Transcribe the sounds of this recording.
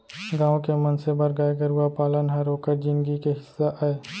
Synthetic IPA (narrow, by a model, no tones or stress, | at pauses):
ɡãːʋõkemɐnsebɐɾɡaːeɡəɾuapaːlənɦɐɾoːkəɾd͡ʒɪ̃nɡikeɦɪsːaʔaeː